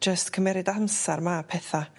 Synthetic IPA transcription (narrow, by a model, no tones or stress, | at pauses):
d͡ʒəstkʰəmɛɾɪdamsarmapʰɛθa